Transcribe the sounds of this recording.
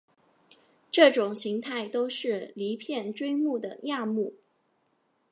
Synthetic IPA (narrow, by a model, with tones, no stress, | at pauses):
ʈ͡ʂɤ˥˩ʈ͡ʂʊ˨˩ŋɕi˧˥ŋt̪ʰa˥˩ɪt̪o˥ʊʂɻ̩˥˩li˧˥pʰjɛ˥˩nʈ͡ʂwe˥ɪmu˥˩d̪ə̰˩ja˥˧mu˥˩